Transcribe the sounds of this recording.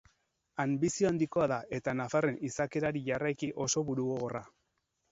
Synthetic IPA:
ambisio̞and̪iko̞aðaʔe̞t̪anafare̞nisake̞ɾaɾiʝarajkiʔo̞so̞βuɾuɣoɣora

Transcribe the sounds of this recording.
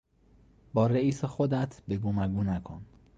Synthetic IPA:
bɒːɾeiːsexod̪æt̪ʰbeɡomæɡuːnækʰo̰n

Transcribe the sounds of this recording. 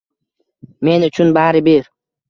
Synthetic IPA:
me̞nʊt͡ʃʰʊnbaɾɪbeɾ

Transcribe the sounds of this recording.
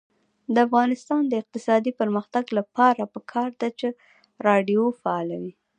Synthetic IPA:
d̪əafɣɑnɪst̪ɑnd̪əɪq̚t̪ɪsɑd̪ipəɾməxt̪aɡlapɑɾapəkʰɑɾd̪at͡ʃe | ɾɑɖijofaɑlawi

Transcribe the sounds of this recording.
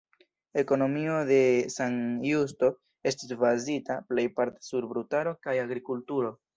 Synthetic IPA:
e̞ko̞no̞mio̞de̞sanjus̬to̞ | e̞stisvazitaple̞jpaɾte̥suɾbɾutaɾo̞kajaɡɾikultuɾo̞

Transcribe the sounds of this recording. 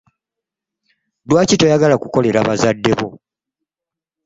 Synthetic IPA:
dwaːcito̞jaɡalakuko̞le̞ɾaβazadːe̞βo

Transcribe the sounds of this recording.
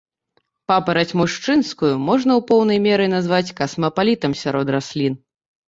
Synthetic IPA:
papɐɾɐt͡sʲmuʂt͡ʂɨnskujumɔʐnɐwpɔwnɐjmʲɛɾɨnazvat͡sʲkɐsmɐpalʲit̪ɐmsʲaɾɔd̪rasʲlʲin

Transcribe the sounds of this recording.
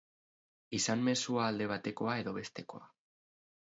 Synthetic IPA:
isanme̞suaːld̪e̞β̞at̪e̞ko̞ae̞ðo̞βe̞st̪e̞ko̞̰a

